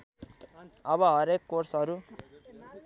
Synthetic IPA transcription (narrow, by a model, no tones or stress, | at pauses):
ʌbʌɦʌɾekːorsɦʌɾu